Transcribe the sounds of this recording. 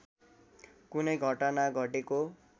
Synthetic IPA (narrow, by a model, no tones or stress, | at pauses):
kunʌjɡʱʌʈanaɡʱʌʈeko